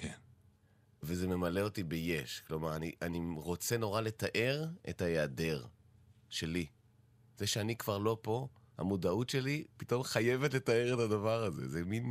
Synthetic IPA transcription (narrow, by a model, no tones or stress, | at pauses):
ken | veze̞me̞male̞o̞tibeje̞ʃklo̞maʁaniʔaniʁo̞t͡se̞no̞ʁale̞taʔe̞ʁḛtajeadeʁ | ʃe̞li | zeʃeanikv̥aʁlo̞po̞ | ha̰mudautʃe̞lipito̞mχaje̞vetletae̞ʁetadavaʁaze̞̰zemin